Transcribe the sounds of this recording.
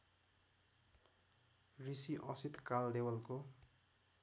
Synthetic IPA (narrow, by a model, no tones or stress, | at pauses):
risiʔʌsit̪kald̪ewʌlko